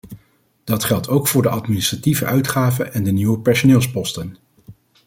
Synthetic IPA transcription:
d̥ɑtχɛlˠtʰowkfʊːɹdəʔɑtminɪstrativə̰ʔœɥtχaːvəʔɛndəniwəpɛɹsonɪːlˠspɔstən

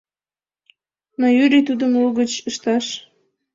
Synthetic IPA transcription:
nojyɾit̪ud̪əmuɣət͡ɕəʃt̪ɑʃ

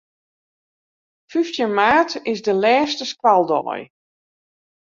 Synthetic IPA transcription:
fyftjənmaːtɪsdəlɛːstəskwalˠdɔ̰ːj

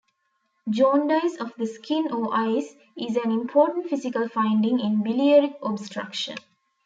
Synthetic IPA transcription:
d͡ʒɔ̃ːnɖaɪsɔʋd̪əskʰĩnoːʔaɪs | izæ̃nĩmpʰɔːʈə̃ɳʈfisikəlfãɪ̃ɳɖĩŋĩnbiliəɾikɔbsʈɾa̰kʃə̰̃n

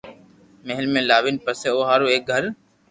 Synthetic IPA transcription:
meɦɪlmẽːlaːʋɪnpəseːoːɦaːɾoːeːk̚ɡʱəɾ

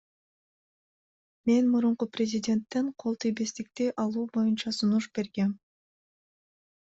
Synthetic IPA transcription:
me̞nmuɾuɴquprʲɪzʲɪdʲe̞nt̪ːe̞ɴqʰo̞lˠt̪ʰijbest̪ik̚t̪eʔɑlˠuːbo̞junt͡ʃɑsunuʃb̥e̞ɾɡe̞m

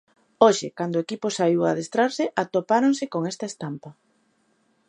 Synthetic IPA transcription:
oʃɪ̰kand̪oekipʊsaiwaðest̪ɾaɾsɪʔat̪opaɾoŋsɪkoŋɛst̪aest̪ampɐ

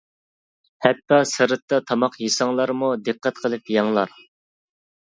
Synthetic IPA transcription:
hɛt̪ːɑsɨɾɨt̪ːɑt̪ʰɑmɑqjisɑŋlˠɑɾmud̪ɨqːɛt̪qʰəlˠɨpjɑŋlˠɑɾ

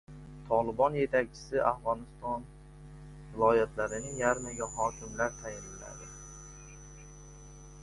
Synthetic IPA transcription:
t̪ʰɒlˠɪbɒnje̞t̪ʰak̚ʲt͡ʃʰɪ̥sɪʔafʁɒnɪst̪ɒn | vɪlˠɒjat̪ʰlaɾɪnɪjaɾmaɡʲaɦɒkʲʰɪmlaɾt̪ʰajɪɾɪla̰d̪ɪ

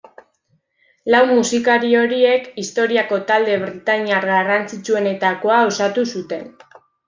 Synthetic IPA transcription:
lawmusikaɾio̞ɾie̞kist̪o̞ɾiako̞t̪ald̪e̞βɾit̪aɲaɾɣarant͡sit͡ʃue̞ne̞t̪ako̞aosat̪usut̪e̞n

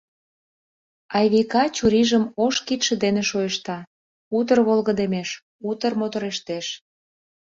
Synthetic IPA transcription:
ɑjβikɑt͡ɕuɾiʒəmoʃkit̪ʃə̆d̪eneʃojəʃt̪ɑ | ut̪̬ərβolɣəd̪emeʃ | ut̪ərmot̪oɾeʃt̪eʃ

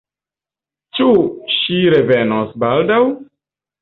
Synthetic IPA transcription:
t͡ʃuʃiɾe̞ve̞nosbaldaw

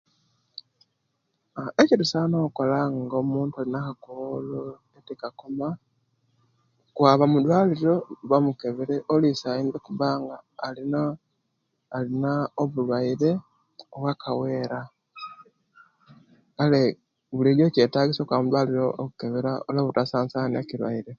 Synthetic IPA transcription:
eciɾusanoko̞laŋɡomuːntualinakakolo | etikakoma | kwaːβamudwaːliɾo̞βamukeβeɾeʔolisaindekuβaːŋɡaːlinaː | linaoβulwaiɾe̞ | oβwakʰawe̞ːɾa | kale | βuliɾocetaːɡisokwaβamudwaːliɾokuke̞βeɾaoloβutasaːnsanḛkilwa̰iɾe

